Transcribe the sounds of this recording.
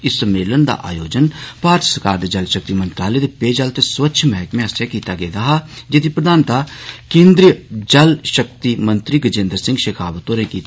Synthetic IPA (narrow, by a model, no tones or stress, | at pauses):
ɪsːəmːeːlənd̪a̰ʔa̰ːjoːd͡ʒənpaːɾt͡ʃʰsəɾkaːɾd̪ed͡ʒɐlʃək̚t̪imə̃nt̪ɾaːled̪epeːd͡ʒaːlt̪eswətːʃʰmɛɦɛkmẽɦɐsjakiːt̪aɡed̪aɦad͡ʒed̪ipɾəd̪ʱaːnt̪akẽːnd̪ɾijəd͡ʒɐlʃək̚t̪imə̃nt̪ɾiɡəd͡ʒẽːnd̪ɾsɪ̃ŋɡʃeːkʰaːʋət̪oːɾẽkiːt̪